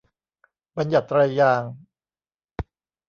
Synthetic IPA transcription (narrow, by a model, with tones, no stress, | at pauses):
ba˧nja˨˩t̪ːɾa˧jːaː˧ŋ